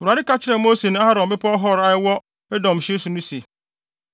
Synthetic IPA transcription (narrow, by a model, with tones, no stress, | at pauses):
a˨ɾɪ˦ka˦t͡ɕʰɪ˦ɾɛ˨mo˦se˨nʊ̃˦a˦ɾɔ̃˨mbɪ˦pʰɔ˦ɦɔ˦˨ɾa˦ɛ˦wɔ˦ | ɛ˦dɔ̃˨m˨ɕɪ˦sʊ˨nũ˦se˨